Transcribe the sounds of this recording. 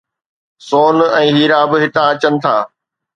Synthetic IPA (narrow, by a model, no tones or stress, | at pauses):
soːnɛ̃ːɦiːɾaːbɪɦɪt̪ãɐt͡ɕənɪ̆t̪ʰa̰ː